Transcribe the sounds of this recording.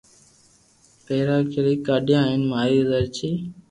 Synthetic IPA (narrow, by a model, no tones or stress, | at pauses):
peːɾaːkʰɪɾiːkaːɗjãːɦɪnmaːɾiːdəɾt͡ʃʰiː